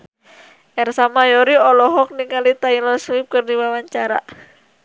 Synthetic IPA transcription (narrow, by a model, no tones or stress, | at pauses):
ʔɛrsamajɔɾiɔlɔɦɔk̚niŋalit̪ailɔswip̚kɨrdiwawaɲt͡ʃaɾa̰